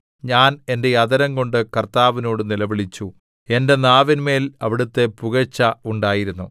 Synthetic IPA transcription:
ɲaːne̞nde̞jɐd̪ɐɾɐŋko̞ɳɖɨkɐrt̪aːʋino̞ːɽɨnilɐʋiɭit͡ɕːu | e̞nde̞naːʋinme̞ːlɐʋiɽut̪ːe̞puɣɐt͡ɕːɐuɳɖaːjiɾunːu

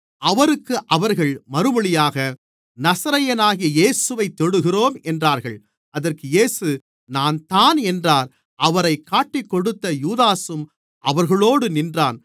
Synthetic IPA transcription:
ʔɐʋɐɾɯkːɯʔɐʋɐɾɣɐɭmɐɾɯmɐɭɪjaːɣɐ | nɐsɐɾɐjɐnaːɣɪjɐjeːsɯʋɐɪt̪ːɔɽɯɣɪroːmɛndraːɾɣɐɭ | ɐðɐrkɯjeːsɯ | naːnt̪aːnɛndraːɾ | ʔɐʋɐɾɐɪkːaːʈːɪkːɔɽɯt̪ːɐjuːðaːsɯm | ʔɐʋɐɾɣɐɭoːɽɯnɪndraːn

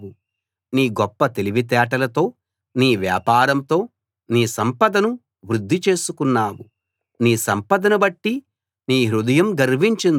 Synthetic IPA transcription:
u | niːɡɔpːɐt̪e̞liʋit̪̬ɛːʈɐlɐt̪o̞ː | niːʋja̰ːpaːɾɐmt̪o̞ː | niːsɐmpɐd̪ɐnu | ʋɾud̪ʱːit͡ʃe̞ːsukunːaːwu | niːsɐmpɐd̪ɐnɐbɐʈːi | niːɦɾud̪ɐjɐmɡɐɾʋiɲt͡ʃin

